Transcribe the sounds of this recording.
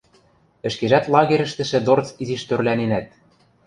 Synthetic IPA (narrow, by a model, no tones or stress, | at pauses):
ɘ̆ʃkeʒæt̪lˠɑɣeɾɘ̆ʃt̪ɘ̆ʃɘ̆d̪ort͡siziʃt̪ørlænenæt̪̚